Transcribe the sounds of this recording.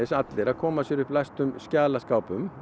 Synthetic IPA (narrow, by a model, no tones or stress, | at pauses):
ɪsat̪lɪɾaðkʰɔːmasɛɾʏplast̪ʏmscaːlaskaːwpʏm